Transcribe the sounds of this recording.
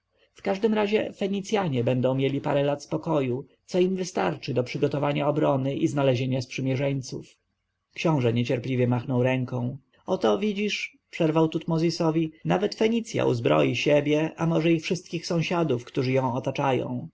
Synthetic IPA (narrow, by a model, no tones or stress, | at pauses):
fkaʐd̪ɘmɾaʑɛfɛɲit̪sʲjaɲɛbɛnd̪ɔ̃w̃mʲjelʲipa̰ɾɛlat̪spɔkɔju | t̪sɔimvɘst̪aɾt͡ʂɘd̪ɔpʂɘɡɔt̪ɔvaɲaɔbɾɔnɘʔiznalɛʑeɲaspʂɘmʲjɛʐɛɲt̪suf | kɕɔ̃w̃ʐɛɲɛt͡ɕɛɾplʲivʲjɛmaxnɔwɾɛŋkɔ̃w̃ | ɔt̪ɔvʲid͡ʑiʂ | pʂɛɾvawt̪ut̪mɔzʲisɔvʲinavɛt̪fɛɲit̪sʲja̰ʔṵzbɾɔ̰jiɕebʲjɛʔamɔʐɛifʂɘst̪̚kʲixsɔ̃w̃ɕad̪ufkt̪uʐɘjɔ̃w̃ɔt̪at͡ʂajɔ̰̃w̃